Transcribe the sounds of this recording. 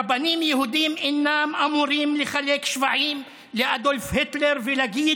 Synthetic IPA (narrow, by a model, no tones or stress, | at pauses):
banimjehud̪imʔenːamʔamuɾiːmleχalekʃvaʕiːm | leʔad̪olfhet̪leɾvelaɡiː